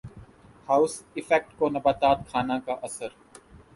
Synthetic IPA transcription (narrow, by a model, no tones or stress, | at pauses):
haːʊsɪfɛk̚ʈkonɐbaːt̪aːt̪kʰaːnãkaʔɐsəɾ